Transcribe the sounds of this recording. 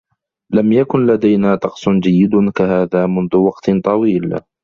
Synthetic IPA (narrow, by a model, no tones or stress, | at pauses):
lamjakʊnlad̪ajnaːt̪ˤɑqsˤʊnd͡ʒajːɪd̪kaɦaːðaːmʊnðʊwɑqt̪t̪ˤɑwiːl